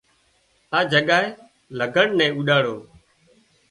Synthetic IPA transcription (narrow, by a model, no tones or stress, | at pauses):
aːd͡ʒəɠaːɦeː | ləɡʱəɳnɛ̃ːuːɗaːɽoː